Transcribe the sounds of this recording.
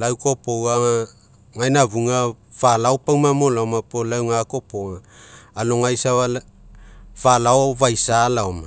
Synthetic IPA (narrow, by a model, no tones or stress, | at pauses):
lawko̞po̞wa | ŋajnaβuŋa | falaopaŋmamo̞laomapolawŋako̞poŋaːlo̞ŋajsaβa | valaoβajsalaoma